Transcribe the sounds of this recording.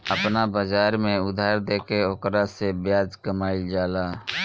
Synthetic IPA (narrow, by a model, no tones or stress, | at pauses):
əpnabəd͡ʒaːɾmẽʊd̪ʱaːɾd̪eːkeokɾasebjaːd͡ʒkəmaːid͡ʒaːlaː